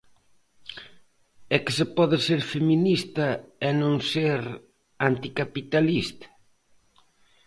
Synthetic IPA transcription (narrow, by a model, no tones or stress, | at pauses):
ɛkɪsɪpɔðɪseɾfeminist̪ɐɛnõŋseɾ | ant̪ikapit̪alist̪ɐ̥